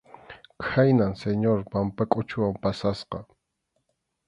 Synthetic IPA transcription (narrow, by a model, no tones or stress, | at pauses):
kʰajnaŋseɲoɾpampakʼʊt͡ʃʊwampasasqɑ